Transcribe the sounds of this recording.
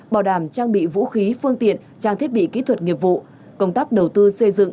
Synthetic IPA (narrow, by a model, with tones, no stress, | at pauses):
ɓaː˨˩wɗaː˨˧˩mt͡ɕaː˧ŋɓḭ˧˨vṵ˧˥xi˨˦fɨ˧əŋt̪ḭ˧˨ən | t͡ɕaː˧ŋt̪ʰət̚ɓḭ˧˨kḭ˧˥t̪ʰwə˨˩t̚ŋi˨˩əp̚vṵ˧˨ | kə˧wŋ͡mt̪aː˦˥k̚ɗə˨˩wt̪ɨ˧sə˧jzɨ̰˧˨ŋ